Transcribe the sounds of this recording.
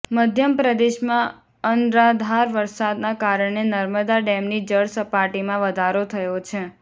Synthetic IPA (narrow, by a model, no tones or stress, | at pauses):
məd̪ʱjəmpɾəd̪eʃmã | ənɾad̪ʱaɾʋəɾsad̪nakaɾəɳenəɾməd̪aɖɛmnid͡ʒəɽsəpaʈimãʋəd̪ʱaɾot̪ʰəjot͡ʃʰe